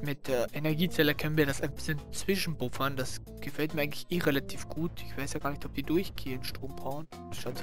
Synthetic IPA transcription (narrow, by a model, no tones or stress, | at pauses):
mɪtːʔenɛɐɡiːt͡sɛlɐkʰœnənviːɐdasaɪnb̥ɪsənt͡sv̥ɪʃn̩bʊfɐndas | ɡ̥əfɛltmiːɐaɡŋ̩tlɪ̥çʔeːʁelatʰiːfɡ̥uːtɪçv̥aɪsjaːɡaːɐnɪçtɔp̚d̥iːdʊɐçɡ̥eːənʃtʁ̥oːmbʁaʊn | ʃaʊ